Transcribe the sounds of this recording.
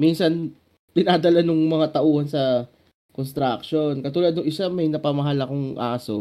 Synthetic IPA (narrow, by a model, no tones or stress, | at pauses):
minsɐn | t̪ɪnaːd̪ɐlanʊŋmɐŋat̪ɐʔuːhɐnsɐ | konst̪ɾakʃo̞nkɐt̪uːlɐd̪̚nʊŋʔɪsamɐjnɐpamɐɦalɐko̞ŋʔaːso̞̰